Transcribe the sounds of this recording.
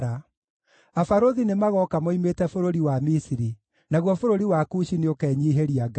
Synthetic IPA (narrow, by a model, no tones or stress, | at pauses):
a | afaɾoðinemaɣɔkamoimetɛfoɾoɾiwamisiɾi | naɣwɔfoɾoɾiwakuʃineokɛɲiːɦeɾiaɡ